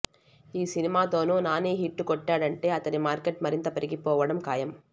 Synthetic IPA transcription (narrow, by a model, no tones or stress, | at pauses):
iːsinimaːt̪oːnunaːneːɦiʈːɯkɔʈːaːɽɐɳʈeːɐt̪ɐnemaːɾkeʈmɐɾind̪ɐpɐɾɪɡipoːʋɐɽɐmkaːjɐm